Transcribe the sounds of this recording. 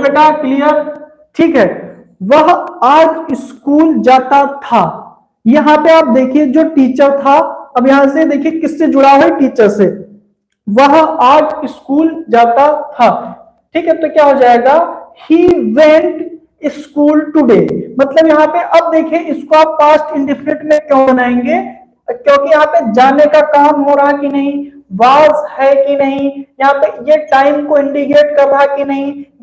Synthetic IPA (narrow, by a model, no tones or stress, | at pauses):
beʈaklijəɾ | ʈʰiːkɦɛː | ʋɐɦaːd͡ʒɪskuːld͡ʒaːt̪at̪ʰaː | jɐɦãpeaːp̚d̪eːkʰied͡ʒoːʈiːt͡ʃəɾt̪ʰaɐbjɐɦãsed̪eːkʰiekɪsːed͡ʒʊɽaɦoeʈiːt͡ʃəɾse | ʋɐɦaːd͡ʒɪskuːld͡ʒaːt̪at̪ʰaː | ʈʰiːkɦɛt̪okjaːɦod͡ʒaːeːɡaːhiːʋẽːɳʈ | ɪskuːlʈʊɖḛːmɐt̪ləbjɐɦãpeʔɐb̚d̪eːkʰiẽɪskoaːpfaːsʈɪ̃ɳɖɪfʰɾẽʈmẽkjõbɐnaːẽːŋɡeː | kjõːkijɐɦãped͡ʒaːnekakaːmɦoːɾaɦakinɐɦĩʋaːzhɛkinɐɦĩjɐɦãpejeʈaːɪmkoɪ̃ɳɖikeːʈ̚kɐɾːaɦakinɐɦĩ